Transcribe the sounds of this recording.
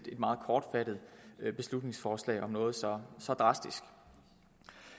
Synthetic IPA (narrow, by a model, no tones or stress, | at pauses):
d̥e̝d̥̚mɑ̈ːð̞̩ˠkʰɒːd̥fæɾ̥ð̩ˠb̥e̝slud̥ne̝ŋsfɒːslɛ̰ɪʔɒ̽mnɔ̽ːð̞̩ˠsɒ̽sɒ̽d̥ʁɑ̈sd̥isɡ̥